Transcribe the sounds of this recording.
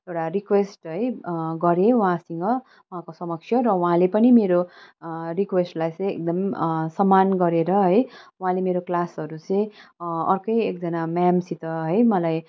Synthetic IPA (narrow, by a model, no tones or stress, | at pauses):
ewʈarikwesʈɦʌjɡʌɾewɦãsiŋɡʌ | uɦãkosʌmʌksʰjʌɾʌuɦãlepʌnimeɾo | rikwesʈlajt͡sʌ̃j̃ḛk̚d̪ʌmsʌmːanɡʌɾeɾʌɦʌjuɦãlemeɾoklasʌɾut͡sʌ̃j̃ʌrkʌjekd͡zʌnamamsit̪ʌɦʌjmʌlaj